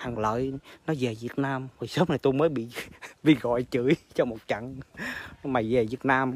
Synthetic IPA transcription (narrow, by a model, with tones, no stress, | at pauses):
ha˨˩ŋlə̰ː˧˨jnɔ˨˦ze˨˩vi˨˩ət̚naː˧mho˨˩jsəː˦˥m̚na˨˩jt̪u˧jməː˨˦jɓḭ˧˨ɓḭ˧˨ɣɔ̰˧˨jt͡ɕɨ˧˩˦jt͡ɕɔ˧mo˨˩t̚t͡ɕə̰˧˨ŋ | maː˨˩ze˨˩vi˨˩ət̚naː˧m